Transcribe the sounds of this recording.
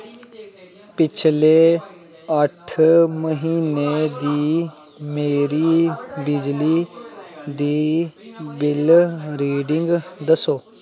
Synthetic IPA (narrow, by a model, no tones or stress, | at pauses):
pɪt͡ʃʰleː | əʈʰməɦiːneːd̪iː | meːɾiːbɪd͡ʒliː | d̪iː | bɪlɾiːɖɪŋɡd̪əsoː